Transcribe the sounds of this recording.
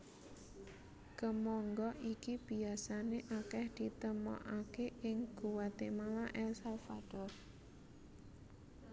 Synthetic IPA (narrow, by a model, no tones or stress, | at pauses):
kəmɔŋɡɔʔikib̥i̤asaneʔakɛhd̪̥it̪əmɔ̰ʔakeʔɪŋɡ̥uwat̪emalaʔɛlsalfad̥ɔr